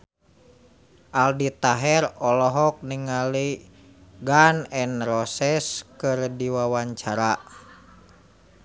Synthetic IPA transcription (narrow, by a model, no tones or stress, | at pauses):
ʔaldit̪aɦɛɾɔlɔɦɔk̚niŋali | ɡanɛnrɔsɛskɨrdiwawaɲt͡ʃaɾa